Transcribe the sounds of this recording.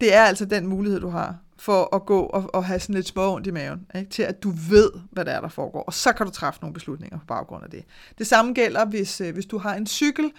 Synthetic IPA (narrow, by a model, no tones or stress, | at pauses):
d̥e̝æɐæl̰sɒ̽d̥enmuːlihe̝ð̰ˠd̥uɦɑ̈ | fɒ̽ɒɡ̥ɔ̰̽ːɒɒɦæsɒn̩le̝d̥smɒ̽ɔ̽n̰d̥imɛːʊneɡ̥̚t͡sʰe̝læd̥uʋe̝ð̞̰ˠʋæɾeæɐɾ̥ɑ̈fɒːɡ̥ɒ̰ːɒ̽sɒ̽kʰæɾ̥ut͡sʰʁɑ̈fəno̝ːn̩b̥e̝slud̥ne̝ŋ̰ɐpʰɒ̽b̥ɑ̈ʊɡ̥ʁɔ̽n̰æd̥e̝d̥e̝sɑ̈məɡ̥el̰ɐʋe̝sʋe̝sd̥uɦɑ̈e̝nsyɡ̥l̩